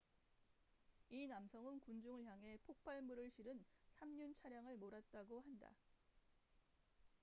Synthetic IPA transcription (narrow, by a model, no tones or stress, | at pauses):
inamsʰʌŋɯnkund͡ʑuŋɯɭçjaŋɦe̞pʰok̚p͈ʰaɭmuɾɯɭɕʰiɾɯnsʰamɲunt͡ɕʰaɾjaŋɯɭmoɾat̚t͈aɡohanda̰